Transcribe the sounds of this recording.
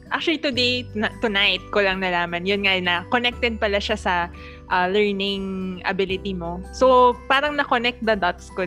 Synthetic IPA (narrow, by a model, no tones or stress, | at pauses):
ʔak̚t͡ʃʊɐlit̪ʊd̪ejt̪ʊnajt̪̚kolɐŋnɐlaːmɐnjʊnŋajnɐkonɛk̚t̪ɛd̪̚pɐlaʃasɐ | ʔɐlɛɹnɪŋʔɐ̰bɪlɪt̪imo̞sopaːɾɐŋnɐkonɛk̚t̪̚d̪ɐd̪at̪sko